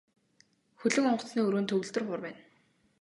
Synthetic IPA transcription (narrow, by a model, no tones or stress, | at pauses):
xɵɮɵ̆ŋɔɴɢə̆t͡sniːŋɵɾoːnt̪ʰɵwɵ̆ɮt̪ɘ̆rχʊːrpæːn